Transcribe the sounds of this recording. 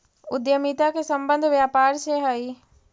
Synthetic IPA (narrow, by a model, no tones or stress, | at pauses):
ʊd̪jəmit̪akesə̃mbə̃nd̪ʱʋjaːpaːɾʃeɦəi